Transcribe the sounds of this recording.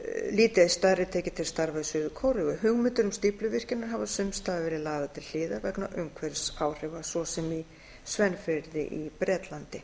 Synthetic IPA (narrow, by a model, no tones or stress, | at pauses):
liːt̪ɪast̪aðɾɪt̪ʰɛːcɪt̪ʰɪlst̪aɾvaðsʏðʏkʰɔwɾʏɣʏɦʏɣmɪnt̪ʏɾʏmst̪iplʏvɪr̥cɪnːaɾ̥ɦavasʏmst̪aːɣavɛːɾɪðlaːɣðat̪ʰɪllɪːðaɾvɛknaʔʏŋkʰvɛɾsaːwr̥ɛvasɔsɛmi | svɛnfɪɾðɪ̰ʔipɾɛːt̪lant̪ɪ